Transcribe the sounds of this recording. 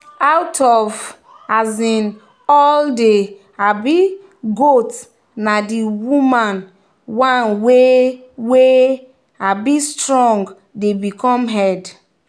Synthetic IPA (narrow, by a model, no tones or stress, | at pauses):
awtʰɔv | azĩn | ɔlde | abi | ɡot | nadiwumãn | wãnwe | we | abistɹɔ̃ŋɡ | debikɔ̃mɦɛd